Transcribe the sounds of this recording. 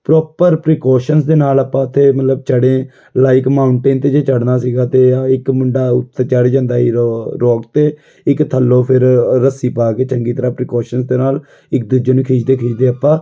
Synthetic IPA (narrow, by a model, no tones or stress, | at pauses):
pɾɔːpəɾpɾɪːkɔːʃənsd̪eːnaːlaːpãːət̪ʰːeːmət̪ləb̚t͡ʃəɽẽː | laːɪkmaːʊɳʈeːnt̪eːd͡ʒeːt͡ʃəɽnaːsiːɡaːt̪eːɪkmʊɳɖaːʊ̰t̪ʰːeːt͡ʃəɽd͡ʒãːnd̪aːɦiːɾɔːkt̪eː | ɪkt̪ʰəlːoːpʰɪɾːəsiːpaːkeːt͡ʃəŋɡiːt̪əɾaːpɾɪːkɔːʃənsd̪eːnaːl | ɪk̚d̪ud͡ʒeːnũːkʰiːd͡ʒd̪eːkʰiːd͡ʒd̪eːapːãː